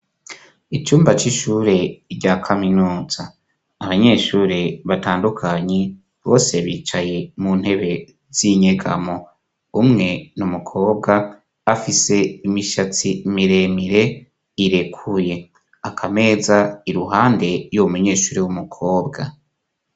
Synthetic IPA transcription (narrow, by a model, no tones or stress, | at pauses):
it͡ʃuːmbat͡ʃiʃuːɾe̞ɾɟaːkʰaminuːz̥aː | βaɲe̞ʃuːɾeβataːndukʰaɲe | βo̞ːse̞βḭːt͡ʃaje̞mun̥he̞βe̞ | z̥iɲeɡa̰mo | umŋe̞numukʰo̞ːb̚ɡaː | fise̞imiʃat͡simiɾe̞miɾe̞ | iɾe̞kʰuje̞ | akʰame̞ːzaiɾuɦaːnde̞jomuɲe̞ːʃuːɾewumukʰoːbɡa